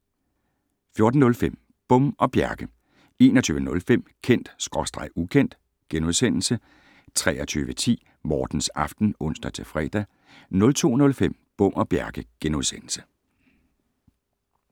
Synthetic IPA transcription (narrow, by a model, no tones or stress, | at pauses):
fjo̝ɐd̥n̩nɔlfem̰ | b̥ɔ̽m̰ʔɒ̽b̥jæɐɡ̥ə | e̝ːnɒt͡sʰyːʋənɔ̽lfem̰kʰen̰d̥sɡ̥ʁɒ̽sd̥ʁɑ̈ɪukʰen̰d̥ | ɡ̥enuðˠsen̰l̩sə | t͡sʰʁɛːɐt͡sʰyːʋət͡sʰḭː | mɒːd̥n̩sɑ̈fd̥n̩ɔ̽n̰sd̥ɐt͡sʰe̝fʁɛ̰d̥æ | nɔ̽lt͡sʰo̝̰ːnɔ̽lfem̰b̥ɔ̽m̰ɒ̽b̥jæɐɡ̥əɡ̥enuðˠsen̰l̩sə̥